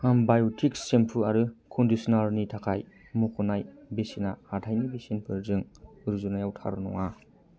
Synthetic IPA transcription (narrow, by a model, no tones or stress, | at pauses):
ambajotʰikssempʰɯaɾɯkʰɔndisɔnaɾnitʰakʰaj | mukʰɔnajbesinahatʰajnibesenpʰɯɾzɯŋɯɾzunajawtʰa̰ɾɯnɔ̰ŋa